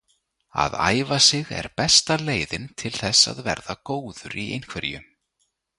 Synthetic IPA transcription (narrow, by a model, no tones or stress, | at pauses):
a̰ða̰ːjvasɪɣɛ̰ɾpɛst̪aleːjðɪnt̪ʰɪlθɛsa̰ðvɛ̰ɾðakoːwðʏɾʔiejn̥kʰvɛɾjʏ